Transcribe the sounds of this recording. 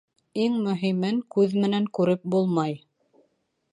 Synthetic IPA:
iŋmɵ̆ɦimɘŋkʉðmɘ̆næŋkʉɾɘp̚bulˠmɑj

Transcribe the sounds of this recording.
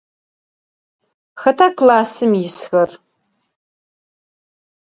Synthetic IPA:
xɐtʰaːkʷlaːsɨmjɪsxɐr

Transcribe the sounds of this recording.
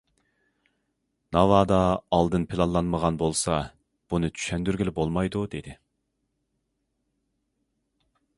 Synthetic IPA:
nɑvɑd̪ɑːlˠd̪ɨnpʰɪlˠɑnlˠɑnməʁɑnbolˠsɑ | b̥unɨt͡ʃ̪ʰy̥ʃɛnd̪yɾɡʲɪlɪbolˠmɑjd̪ud̪ed̪ɪ

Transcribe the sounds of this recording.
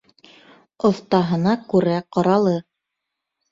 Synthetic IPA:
ŏθt̪ɑɦɤ̆nɑkʉɾæqɑɾɑlˠɤ

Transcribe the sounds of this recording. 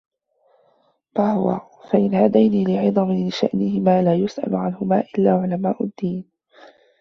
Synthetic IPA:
fahʊwa̰ | faʔɪnhad̪ajniːlɪʕɨd̪ˤɑmɪlɪʃaʔnɪhɪmaːlaːjʊsʔa̰lʊʕanhʊmaːʔɪlːaːʕʊlamaːʔʊd̪ːiːn

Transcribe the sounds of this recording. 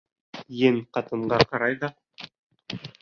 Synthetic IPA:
jɘŋqɑt̪ɤ̆ɴɢɑqɑɾɑjðɑ

